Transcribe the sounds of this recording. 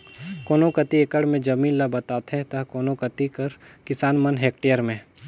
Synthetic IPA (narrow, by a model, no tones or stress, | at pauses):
koːnokət̪ieːkəɽmẽd͡ʒɐmĩːnlabɐt̪aːt̪ɦɛ̃t̪ɐɦkoːnokət̪ikɐɾkɪsaːnmɐnɦeːkʈejəɾmẽ